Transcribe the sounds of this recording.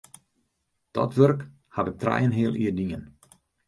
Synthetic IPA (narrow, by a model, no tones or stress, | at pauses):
d̥ɔ̰tʋørk | haʋɪk̚trɛ̰jənɦiəlˠʔiərdiən